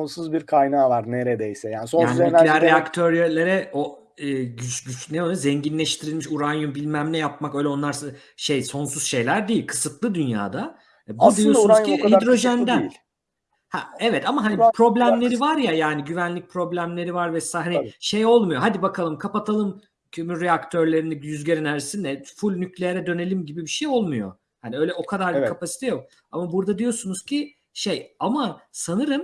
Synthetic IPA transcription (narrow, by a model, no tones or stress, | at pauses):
onsuzbiɾkʰajnaːvaɾneɾed̪ejsɛjaːnisoj̪aːned̪aɾeakt̪ʰøɾelʲe̞ɾɛo | ɯːyɟyt͡ʃneojzɛɲɟinlʲɛʃt̪ʰiɾilʲmiʃuɾanjumbilʲmæmlʲɛjap̚makø̞jlʲɛo̞nlˠaɾs | ʃe̞jso̞nsuz̥ʃe̞jlʲæɾd̪eijilʲkʰɯ̥sɯt̪lˠɯd̪ynja̰ːd̪a | bud̪ijounzʰiiad̪ɾo̞ʒɛnd̪æji | hɛ̰ɛvɛt̪amaɦanipʰɾo̞blʲæmlʲe̞ɾivaɾjajaːniɟyvænlʲic̚pʰɾo̞blʲæmlʲe̞ɾivaɾvɛsahaniʃe̞jo̞lˠmujoɦad̪ibakʰalˠɯmkʰapat̪ʰalˠɯm | cʰømyɾeakt̪ʰø̞ɾlʲe̞ɾinijyzɟeɾinæɾsind̪ɛfulʲnyclʲejeɾɛd̪ø̞ne̞lʲimɟibibiʃejo̞lˠmujo̞̰ | haniø̞jlʲɛo̞kʰad̪aɾbikʰapasi̥t̪ʰɛjo̞k̚ | a̰mabuɾd̪ad̪ijo̞sunuz̥cʰi | ʃe̞jamasanɯɾɯm